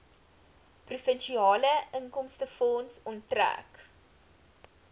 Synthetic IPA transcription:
prufənʃiɑːləəŋkɔmstəfɔnsɔntræ̰k

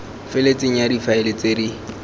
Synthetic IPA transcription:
fɪlet͡sʼɪŋ̩jadifaɪlɪt͡sʼedi

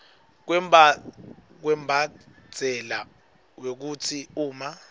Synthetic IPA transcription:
k̬wɛ | k̬wɛmbʱḁ | d͡z̥ʱɛla | wek̬ut͡sʰiuːma

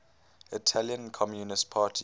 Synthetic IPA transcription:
itʰaljə̃nkʰɔmjunɪstpʰaːtʰi

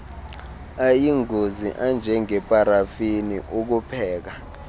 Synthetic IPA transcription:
ajiŋʱozḭʔand͡ʒʱɛŋɛpʼaɾafiniʔuk̬upʰɛːk̬a

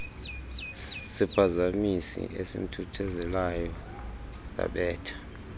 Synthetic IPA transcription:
sipʰazamisḭʔesḭm̩tʰutʰɛzɛlajɔ | sa̰ɓɛːtʰḁ

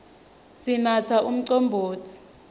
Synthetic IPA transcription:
sinatʰaʔum̩ǀɔmbʱoːt͡sʰi̥

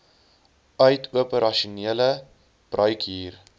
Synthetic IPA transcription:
œɥtʰuəpəɾɐʃuniələ | b̥rʔœɥkiːr

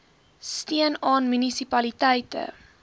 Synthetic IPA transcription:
stiənɑːnmynisipɐlitɛjtə̰

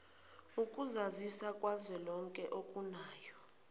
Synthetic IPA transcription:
ukʼuzazisakʼwazɛlɔŋkʼɛʔokʼunaːjɔ

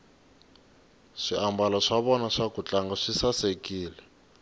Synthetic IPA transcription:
ʂiʔambalɔʂaβɔnaʂakut͡ɬaŋɡaʂisasekiːlɛ

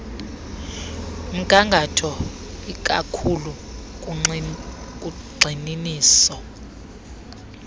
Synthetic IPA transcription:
m̩kʼaŋɡʱatʰɔ | ik̬ʼa̰kʰulu | k̬ʼuɡ͡ǀʱininiːsɔ

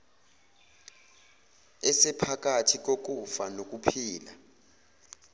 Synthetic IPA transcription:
ɛsɛpʰak̬ʼatʰik̬ʼok̬ʼufanok̬ʼupʰiːla̰

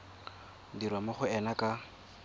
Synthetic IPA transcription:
diɾwamʊχʊɛnakʼa

